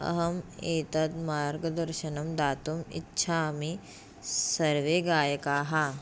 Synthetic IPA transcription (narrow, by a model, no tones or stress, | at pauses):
ɐ̰ɦɐmeːt̪ɐt̪maːɾɡɐd̪ɐɾʃɐnɐmd̪aːt̪umḭtːʃʰaːmi | sɐɾʋeɡaːjɐkaːɦa